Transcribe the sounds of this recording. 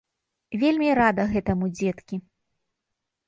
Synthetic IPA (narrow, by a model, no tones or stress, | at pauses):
vʲelʲmʲiɾad̪ɐɣɛt̪ɐmud͡zʲɛt̪kʲi